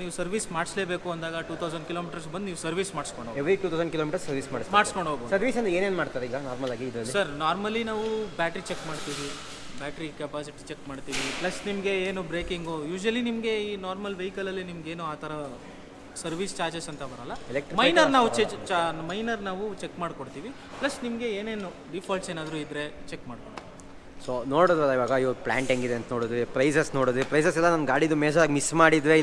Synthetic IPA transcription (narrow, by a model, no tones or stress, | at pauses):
niːʋusɐɾʋiːsmaːɽsle̞ːbe̞ːkuɐnd̪aːɡɐʈuːt̪ʰɐwzɐɳɖkiloːmiːʈɐɾs̬bɐnd̪niːʋusɐɾʋiːsmaːɽskoɳɖoeʋɾikʲjuːt̪ʰɐwzɐɳɖkiloːmiːʈɐɾsɐɾʋiːsma̰ːɖsmaːɽskoɳɖʱɦoːɡboːdsɐɾʋiːsɐnd̪eːneːnmaːɽt̪aːɾeiːɡɐnaːɾmɐlaːɡiːd̪ɾɐlːisɐɾnaːɾmɐlːinaːʋubjaːʈɐɾit͡ʃekmaːɽt̪iːʋi | baːʈɾikɛbaːd͡ʒeʈt͡ʃekmaːɖt̪iːʋiplɐsnimɐɡe̞eːnubɾeːkiŋɡujuːd͡ʒʋɐlinimɐɡe̞iːnaːɾmɐlʋɐjikɐlɐlːinimɐɡeːnuaːt̪ʰɐɾɐ | sɐɾʋiːst͡ʃaːɾd͡ʒesɐnt̪ɐbɐɾɐlːɐɛlekʈɾimɐjnɐɾnaːʋut͡ʃet͡ʃmɐjnɐɾnaːʋut͡ʃekmaːɽkoɽt̪iːʋi | plɐsnimɡe̞eːneːnu | ɖipʰaːlseːnaːd̪ɾuid̪ɾe̞t͡ʃekmaːɽkoɽt̪ːi | soːnoːɽud̪ɾɐlːɐiʋaːɡɐiʋoplaːɳʈeŋɡid̪eɐnt̪ɐnoːɽid̪ʋepɾɐjsɐsnoːɽid̪ipɾɐjsɐs̬ɛlːɐnɐnɡaːɽid̪umeːd͡ʒaːɡmismaːɽid̪ʋe